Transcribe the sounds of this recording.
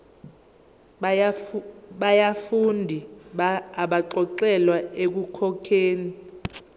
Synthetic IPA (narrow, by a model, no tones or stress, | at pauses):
ɓajafundʱi | aɓaǃɔǀɛlwaek̬ukʰɔkʰeːni